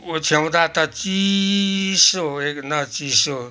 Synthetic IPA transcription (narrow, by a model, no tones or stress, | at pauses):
ot͡sʰew̃d̪at̪ʌt͡si | soeknʌt͡siso